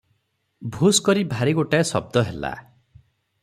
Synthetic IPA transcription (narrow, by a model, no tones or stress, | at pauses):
bʱuskɔɾibʱaɾiɡoʈaesɔ̰b̚d̪ɔɦela̰